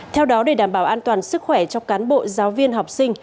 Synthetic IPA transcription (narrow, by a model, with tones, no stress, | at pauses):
t̪ʰɛ˧wɗɔ˨˦ɗe˧˩ɗaː˧˩mɓaː˧˩wʔaː˧nt̪waː˨˩nsɨ˦˥k̚xwɛ˧˩t͡ɕɔ˧wŋ͡mkaː˨˦nɓo̰˧˨zaː˨˦wvi˧ənɦa˨˩wk͡p̚sï˧ŋ̟